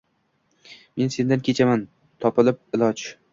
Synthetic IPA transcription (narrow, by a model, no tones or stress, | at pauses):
me̞nse̞nd̪ankʲʰe̞t͡ʃʰaman | t̪ʰɒpɪlɪp̚ɪlˠɒd͡ʒ